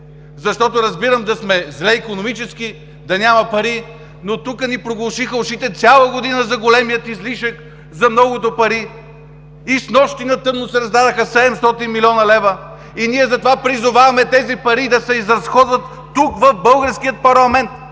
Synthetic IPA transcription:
zɐʃt̪ɔt̪oɾɐzbiɾəmd̪ɐsmɛzlɛikonomit͡ʃɛski | d̪ɐnʲamɐpɐɾi | not̪ukənipɾoɡlˠɐʃixəʊʃit̪ɛt̪sʲalˠəɡod̪inəzɐɡolɛmijət̪izliʃək | zɐmnɔɡot̪opɐɾi | isnɔʃt̪inɐt̪ɤmnosɛɾɐzd̪ad̪ɐxəsɛd̪ɛmst̪ɔt̪inmilʲɔnɐlɛvə | iniɛzɐt̪ovapɾizʊvavɐmɛt̪ɛzipɐɾid̪ɐsɛizɾɐsxɔd̪vɐt̪ːukvɐfbɤlˠɡəɾskijət̪̚pɐɾlˠɐmɛnt̪

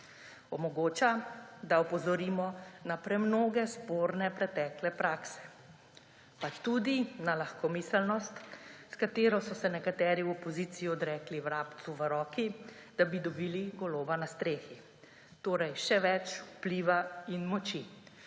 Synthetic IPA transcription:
ɔmɔɡoːt͡ʃad̪aɔpɔzɔɾiːmɔnapɾɛmnoːɡɛspoːɾnɛpɾɛt̪ɛklɛpɾaːksɛ̥ | pat͡ʃt̪ud̪inalaxkɔmisəlnɔst̪skat̪eːɾɔsɔsɛnɛkat̪ɛːɾiwɔpɔziːt̪sijiɔd̪ɾɛːkliwɾaːpt̪suʋəɾɔːkid̪̥abid̪ɔbiːliɡɔloːbanast̪ɾeːxi | t̪oːɾɛjʃɛʋɛt͡ʃupliːʋainmɔt͡ʃi

